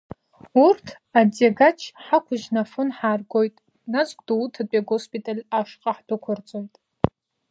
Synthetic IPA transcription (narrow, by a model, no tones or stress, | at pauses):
urtʰ | ad͡zaɡat͡ʃʰħakʷʰʊʒnafɨnħaːrɡo̞jtʼ | nazɡʷʼduwtʰapʼaɡospʼitʼalʲaʂqʼaħdɨkʷʰʊrt͡sʼojtʼ